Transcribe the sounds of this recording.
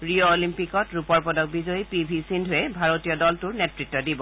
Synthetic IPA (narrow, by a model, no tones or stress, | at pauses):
ɹioːlimpikɔtɹupɔɹpɔdɔk̚bizɔipibʱisindʱʊɛbʱaɹotijɔdɔltʊɹnɛtɹitːɔdibɔ